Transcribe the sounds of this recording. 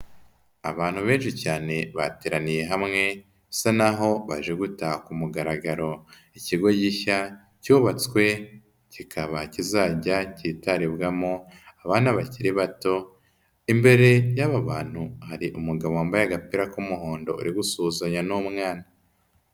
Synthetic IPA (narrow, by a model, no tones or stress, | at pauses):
aβaːn̥huβe̞ːnʃicaːne̞βateɾanije̞ɦamŋe̞ | sanaɦo̞βaʒe̞ɡutahkumuɡaɾaɡaɾo̞ | iciɡo̞ɟiça | cuːβat͡skwe̞ | cikʰaβacizaːɟacitaɾiβɡamoaβaːnaβaciɾiβato̞ | imbe̞ɾe̞jaβaβaːn̥huhaɾiʔumuɡaβoambajaɡapiɾakumuɦo̞ːndo̞̰ṵɾiɡusuːzaɲanomŋaːna